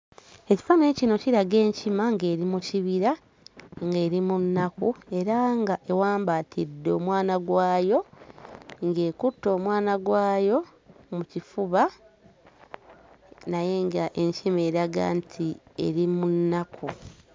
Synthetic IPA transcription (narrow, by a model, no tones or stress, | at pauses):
e̞ci̥fanecino̞ciɾaɡe̞ːɲcimaŋɡe̞ːɾimuciβiɾa | ŋɡe̞ːɾimunːakue̞ɾaŋɡaʔe̞waːmbatʰidːeoːmwaːnaɡwaːjo̞ | ŋɡe̞ːkutːo̞ːmwaːnaɡwaːjo̞ | mucifuβa | naje̞ŋɡaʔe̞ɲcime̞ːɾaɡa̰ːntʰie̞̰ɾimunːakʰu